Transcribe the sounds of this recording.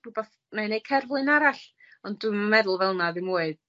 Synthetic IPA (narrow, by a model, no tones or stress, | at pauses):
rubɔ | nanejkʰɛrvlˠɨnaɾaɬ | ɔnddwɨmamɛðʊlˠvɛlˠnaðɪmuːɨð